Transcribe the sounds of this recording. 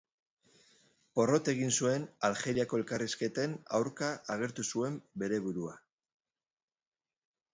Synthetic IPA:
po̞ro̞t̪e̞ɣ̞insue̞nalxe̞ɾiako̞e̞lkariske̞t̪ena̰wɾkaʔːɣ̞e̞ɾt̪usue̞mbe̞ɾe̞βuɾua

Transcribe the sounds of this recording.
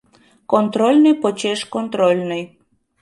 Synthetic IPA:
kont̪ɾolʲnɨjpot͡ɕeʃkont̪ɾolʲnəj

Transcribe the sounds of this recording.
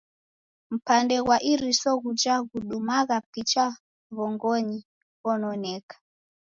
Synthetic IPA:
m̩pandɛɣwaʔiɾisɔɣud͡ʒaɣuɗumaɣapit͡ʃa | βɔŋɡɔɲi | ɣɔnɔnɛkḁ

